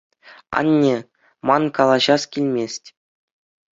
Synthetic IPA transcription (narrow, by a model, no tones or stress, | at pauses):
ɑ̰nʲːe | mɑnkɑlˠɑʑɑskʲilʲmʲesʲtʲ